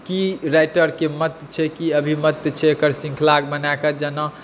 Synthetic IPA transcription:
kiɾajʈəɾkemət̪t͡ʃʰɛkiəbʱimət̪t͡ʃʰɛkəɾsĩŋkʰlaɡbənakəd͡ʒəna

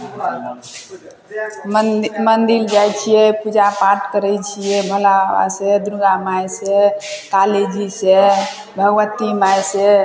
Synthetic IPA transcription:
mənd̪ild͡ʒajt͡ʃʰijɛpud͡ʒapaɾʈkəɾɛjt͡ʃʰijɛbʱəlaa̰sed̪ɾuɡamajsek̪aled͡ʒise | bʱəɡʋət̪imajse

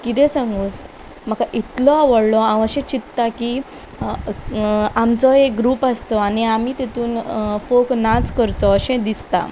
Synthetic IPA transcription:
kit̪̬ɛ̃sãŋɡũːs | m̤əkaʔit̪lɔaʋəɽlɔãʋəɕɛ̃t͡ɕit̪t̪akiː | amt͡sɔekɡɾuːpast̪ɔaniamiːt̪et̪uːnfoknat͡skəɾt̪ɔəɕɛ̃d̪ist̪a̰

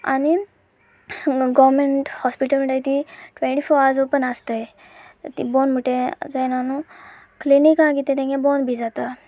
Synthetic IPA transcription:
a̰ni | ɡɔʋɾmeɳʈhɔspiʈəlmiʈajt̪iʈʋẽɳʈifɔɾad͡zopənast̪aj | t̪ibɔnm̤uʈẽd͡zajnanũ | klinikãkit̪ẽt̪ẽŋɡɛ̃bonbʱid͡zat̪a

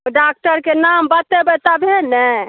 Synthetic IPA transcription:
oɖak̚ʈəɾkenambət̪ebet̪abʱenɛ

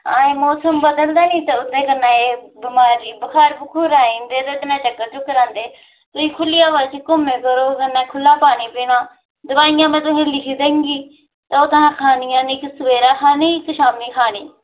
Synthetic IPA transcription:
ãːẽːmɔːsəmbəd̪əld̪aːnĩːt̪eʊt̪ʰːeːkənːãːeːbɪmaːɾiːbəkʰaːɾbʊkʰuːɾaːĩːnd̪eːt̪et̪nãːt͡ʃəkːəɾt͡ʃʊkːəɾãːnd̪eː | t̪ʊiːkʰʊlɪjaːʋaːt͡ʃkʊmẽːkəɾoːkənãːkʰʊlːaːpaːniːpiːnaː | d̪ʊbaːɪjãːmɛ̃ːt̪ʊɦẽːlɪkʰiːd̪ẽːŋɡiː | t̪aoːt̪anãːkʰaːnɪjãːnɪksəʋeːɾaːkʰaːniːkʃaːmiːkʰaːniː

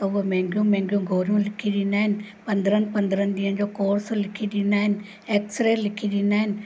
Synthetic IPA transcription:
t̪ɐʊɦɐmẽːŋɡijũːmẽːŋɡijũɡʱoːɾjũːlɪkʰiɗinaːɦɪnɪ̆ | pɐ̃nd̪ɾənpɐ̃nd̪ɾənd̪iːənd͡ʑoːkoːɾslɪkʰiɗinaːɦɪnɪ̆ | eːksɾeːlɪkʰiɗinaːɦɪnɪ̆

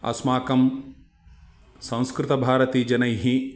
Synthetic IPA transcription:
ɐ̰smaːkɐm | sɐ̃w̃skɾɪt̪ɐbʱaːɾɐt̪iːd͡ʒɐnɐjɦi

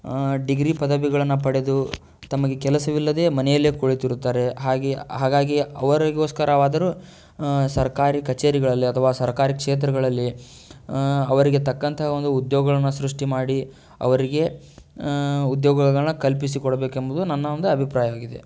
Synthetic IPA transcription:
ɖiɡɾipɐd̪ɐbiɡɐɭɐnːɐpɐɽe̞d̪u | t̪ɐmɐɡe̞kɛlɐsɐʋilːɐd̪e̞ːmɐnɛjɐlːeːkoɭit̪iɾut̪ːaːɾe̞ɦaːɡiɦaːɡaːɡiɐʋɐɾɐɡo̞ːskɐɾɐʋaːd̪ɐɾuː | sɐɾkaːɾikɐt͡ʃeːɾiɡɐɭɐlːiɐt̪ʰɐʋaːsɐɾɐkaːɾikʂeːt̪ɾɐɡɐɭɐlːi | ɐʋɐɾiɡe̞t̪ɐkːɐnt̪ʰɐɦɐond̪uːd̪joːɡɐɭɐnːɐsɾuʂʈimaːɽi | ɐ̰ʋɐɾiɡe̞ | ud̪joːɡɐɡɐɭɐnːɐkɐlpis̬ikɔɽɐbeːkembud̪unɐnːɐond̪uɐbʱipɾaːjɐaːɡid̪e̞̰

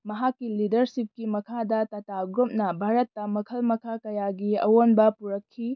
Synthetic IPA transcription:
mɐɦakːilidɐɾsip̚kimɐkʰadɐtɐtaɡɾup̚nɐbʱaɾɐt̪ːɐmɐkʰɐlmɐkʰakɐjaɡiɐ̰wonbɐpuɾɐkʰːi

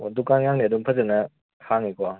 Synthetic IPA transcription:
odukaŋjaŋniɐdumpʰɐzenɐ | hʰaŋikɔ

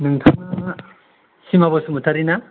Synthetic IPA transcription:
nɯŋtʰaŋna | simabɔsumutʰaɾina

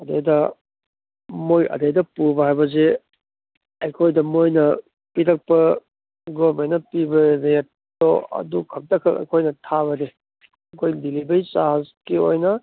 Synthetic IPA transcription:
ɐdejdɐ | mojɐ̰dejdɐpuɾbɐɦajbɐze | ɐjkʰojdɐmojnɐ | piɾɐk̚pɐ | ɡoɾmenːɐpibɐɾejet̚ | doɐ̰dukʰɐk̚tɐkʰɐkɐ̰jkʰojnɐtʰaβɐde | ɐkʰojdilibɐjsaɦazkio̰jnɐ

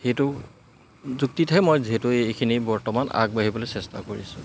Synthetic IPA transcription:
xejtʊ | zuk̚titɦɛmojziɦetʊekʰinibɔɹtɔmana̰ɡ̚baɦibɔlojsɛsta̰koɹḭsʊ̃

